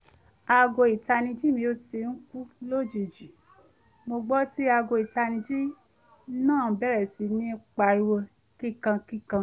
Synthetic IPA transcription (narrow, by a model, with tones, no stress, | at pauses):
a˧ɡo˧˨i˨ta˧nĩ˧d͡ʒi˦mĩ˧o˧˦te˧n̩˦ku˦lo˦˨d͡ʒe˨d͡ʒi˨ | mo˧ɡ͡bɔ˦ti˦a˧ɡo˨˧˨i˨ta˧nĩ˧d͡ʒi˦ | nãː˦˨bɛ˦ɾɛ˨si˧nĩ˦ɛ˧k͡pa˧i˧wo˧ | ki˦˨kã˧ki˦˨kã˧